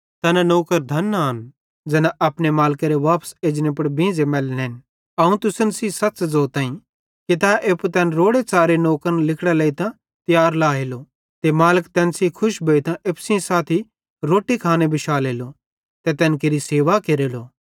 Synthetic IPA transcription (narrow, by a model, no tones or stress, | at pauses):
t̪ɛːnanoːkəɾd̪ʱɐnaːn | d͡ʒɛːnaʔɐpnemaːlkaɾeʋaːpseːd͡ʒnẽpɐɽbĩːd͡zemɛːlneːn | ɐũt̪ʊsənsisɐt͡ʃzoːt̪ãːĩ | kit̪ɛʔept̪ɛːnɾoːɽet͡saːɾenoːkəɾnlɪkʰɽaleit̪ã | t̪jaːɾlaːɦeːlo | t̪emaːləkt̪ɛːnsikʰʊʃbʱɐit̪ãʔepsɪãsaːt̪ʰi | ɾoːʈːikʰaːnebɪʃaːleːlo | t̪ɛt̪ɛːnkeɾiseːʋakeɾeːloː